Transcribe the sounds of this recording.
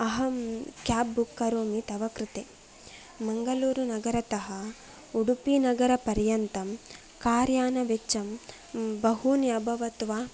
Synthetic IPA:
ɐɦɐmkjaːbːukːɐɾoːmit̪ɐʋɐkɾit̪eː | mɐŋɡɐluːɾunɐɡɐɾɐt̪ɐɦɐ | uɽupinɐɡɐɾɐpɐɾjɐnt̪ɐm | kaːɾjaːnɐʋet͡ʃɐm | bɐɦunjɐbʱɐʋɐt̪ʋaː

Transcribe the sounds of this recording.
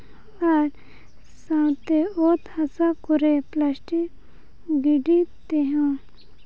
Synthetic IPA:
ɐɾ | sãːt̪eoːt̪hɐsakʊɾeplaːsʈi | ɡiɖit̪eɦãː

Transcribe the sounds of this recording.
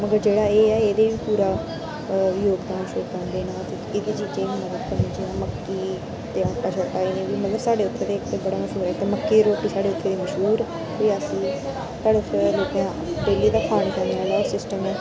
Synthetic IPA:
məɡəɾd͡ʒeːɽaːeːɛːeːd̪eːʋiːpuːɾaː | joːɡd̪aːnʃoːkd̪ãːnd̪eːnãːt̪e | ɪd̪eːt͡ʃiːd͡ʒẽːmət̪əbkənĩd͡ʒiãːməkːiː | t̪jãːʈːaːt͡ʃʰɔʈːaːiːneːʋiːmət̪ləbsaːɖeːʊt̪ːɾeːt̪eːkt̪ebəɽaːməʃɦuːɾɛːt̪eməkːiːɾoːʈːiːsaːɽeːʊt̪ʰːeːd̪iːməʃɦuːɾ | ʋiːəsĩː | t̪aːɖeːʊt̪ːloːkãː | ɖeːliːd̪aːkʰaːɳ̃kɛ̃nd̪eãːlɔːsɪsʈəmẽː

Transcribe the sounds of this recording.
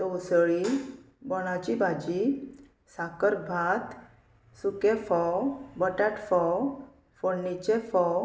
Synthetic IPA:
t̪owsəɭi | bɔɽ̃at͡ɕibʱad͡ʑi | sakəɾbʱat̪ | sukefɔbəʈaʈfɔ | fonːit͡ɕefɔ

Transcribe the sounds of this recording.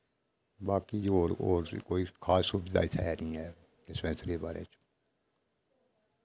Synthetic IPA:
baːkiːd͡ʒoːɾoːɾkoːikʰaːsːuːbɪd̪a̰ːɪt̪ʰɛːnĩːɛː | ɾɪspɛ̃nsɾeːbaːɾḛːt͡ʃ

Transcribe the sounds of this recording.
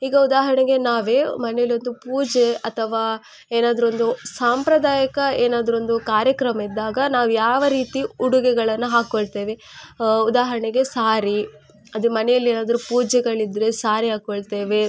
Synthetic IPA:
iːɡɐud̪aːɦɐɾɐɳeɡe̞naːʋe̞ːmɐnɛjɐlio̞nd̪upuːd͡ʒeɐt̪ʰɐʋaː | eːnaːd̪ɐɾo̞nd̪usaːmpɾɐd̪aːjɐkɐeːnaːd̪ɐɾo̞nd̪ukaːɾjɐkɾɐmɐid̪ːaːɡɐnaːʋujaːʋɐɾiːt̪iuɽuɡɛɡɐɭɐnːuɦaːkoɭt̪e̞ːʋe̞ud̪aːɦɐɾɐɳeɡe̞saːɾi | ɐd̪umɐnɛjɐlːieːnaːd̪ɐɾupuːd͡ʒɛɡɐɭid̪ɾe̞saːɾiɦaːkoɭt̪e̞ːʋe̞

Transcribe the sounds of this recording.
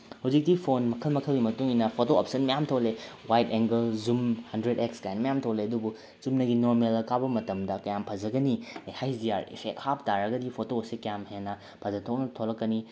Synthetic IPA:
hɐwzik̚tipʰonmɐkʰɐlmɐkʰɐlɡimɐtuŋinɐpʰotoɐp̚sɐnmɐjamtʰowlewajteŋɡɐlzumhɐndɾedekskaanmɐjamtʰowleɐdubu | t͡ʃumnɐɡinoɾmelɐkʰabɐmɐtɐmdɐkɐjampʰɐzɐɡɐnihajziaɾḭpʰek̚hap̚taɾɐɡɐdipʰotoːsekɐjamhenɐ | pʰɐzɐtʰoknɐtʰolɐkːɐni

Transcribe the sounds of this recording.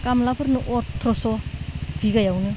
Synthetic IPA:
kamlapʰɯɾnɯʔotʰɾɔsob̥ʰʱiɡajawnɯ

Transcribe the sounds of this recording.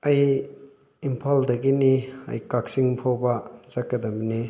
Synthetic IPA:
ɐj | impʰaldɐɡiniɐ̰jkak̚siŋpʰobɐzɐkːɐdɐmini

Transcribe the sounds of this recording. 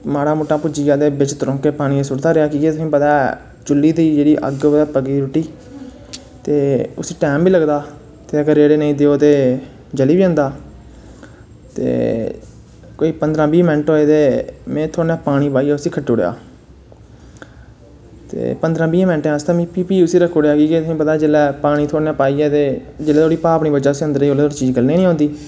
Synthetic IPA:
maːɽaːmʊːʈːaːpʊd͡ʒiːãːd̪eːbɪt͡ʃt̪əɾɔ̃ːkeːpaːɽ̃ĩːẽsʊɽd̪aːɾeaːkieːt̪ʊsĩːpət̪aː | d͡ʒʊliːd̪iːd͡ʒeːɽiːʔə̰ɡoːd̪aːpəɡiːɾʊʈiː | t̪eːʊsĩːʈɛːmbiːləɡd̪aː | t̪eːəɡəɾːeːɽeːnəĩːd̪eːoːt̪eː | d͡ʒəliːbiːə̃ːnd̪aː | t̪ḛː | koːiːpənd̪ɾãːbiːmɛ̃ːɳʈɦoːeːt̪eːmɛ̃ːt̪ʰoːnjãːpaːɽ̃iːpaːiːɛːʊsiːkʰəʈːoːɽḛja̰ː | t̪ḛːpənd̪ɾãːbiːmɛ̃ɳʈẽãnst̪ãːmĩːpiːpiːʊsiːɾəkʰːoɽaːkiːkeːt̪sĩːpət̪aːd͡ʒelɛːpaːɽ̃ĩːt̪ʰoːnjãːpaːiːɛːt̪eːd͡ʒelɛːt̪ʰoːɽiːpaːəpɳ̃iːbəd͡ʒaːʊsĩːənd̪əɾiːoːleːt̪oːɽit͡ʃiːd͡ʒɡəlnĩːnĩːõːnd̪iː

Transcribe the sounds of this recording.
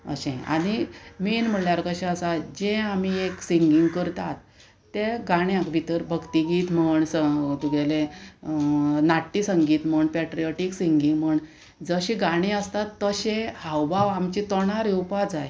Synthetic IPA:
ə̰ɕẽa̰ɽ̃iminm̤əɽljaɾkəɕɛ̃əsad͡ʑẽam̤ieksiŋɡiŋɡkəɾt̪at̪ː | ẽɡaɽ̃jãkbʱit̪əɾbʱəɡt̪iɡiːt̪məɳsət̪uɡɛlẽ | naʈːisəŋɡiːt̪m̤əɳpɛʈɾijoʈiksiŋɡiŋɡm̤əɳ | d͡zəɕiɡaɽ̃ĩəst̪at̪ːəɕẽhawbʱaʋamt͡ɕit̪ɔɳ̃aɾiupad͡zaj

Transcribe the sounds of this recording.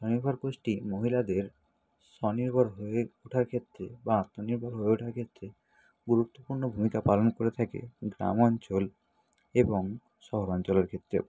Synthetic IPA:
ʃɔniɾbʱaɾkoʃʈimoɦilad̪eɾ | ʃɔniɾbʱaɾɦoeuʈʰaɾkʰet̪ːɾebaat̪ːoniɾbʱaɾɦoeoʈʰaɾkʰet̪ːɾe | ɡuɾut̪ːopuɾnobʱumikapalonkoɾet̪ʰakḛɡɾa̰mɔnt͡ɕol | eboŋ | ʃɔɦoɾɔnt͡ɕoleɾkʰet̪ːɾḛ

